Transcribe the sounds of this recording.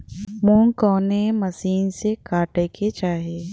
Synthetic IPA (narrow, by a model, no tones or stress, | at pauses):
mũːŋkɔːnemɐsiːnsekaːʈeket͡ʃaːɦeː